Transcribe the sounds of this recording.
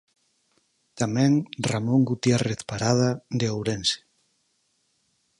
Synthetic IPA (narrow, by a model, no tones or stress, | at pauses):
t̪amɛ̃ŋramõŋɡut̪jareθpaɾað̞ad̪eowɾense̥